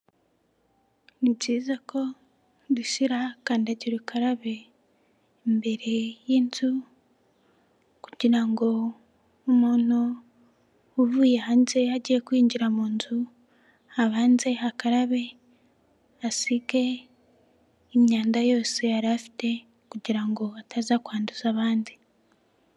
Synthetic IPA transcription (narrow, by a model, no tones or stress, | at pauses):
niɟiːzakʰo̞ | duʃiɾakaːndaɟiɾukaɾaβe̞ | mbe̞ɾejiːnzu | kuɟiɾaŋɡo̞ː | moːno | uβuːjehaːnze̞aɟiekwiːɲɟiɾamuːnzu | aβaːnze̞hakaɾaβe̞ | asike̞ | mɲaːndajo̞ːseaɾafi̥te̞ | kuɟiɾaŋɡo̞atazakwaːnduzaβaːndi